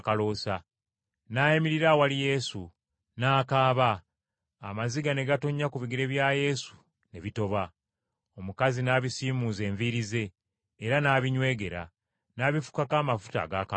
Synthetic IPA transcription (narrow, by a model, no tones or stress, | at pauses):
kalo̞sa | naːjemiɾiɾawalije̞ːsu | naːkaːβaː | maziɡane̞ɡatoɲːakuβiɡiɾe̞βjaːje̞ːsu̥ | ne̞βito̞βa | o̞mukazinaːβisiːmuːze̞ːɱviɾize̞ː | ɾanaːβiɲwe̞ːɡe̞ɾa̰ | naːβifu̥kakaːmafu̥ta̰ːɡaːka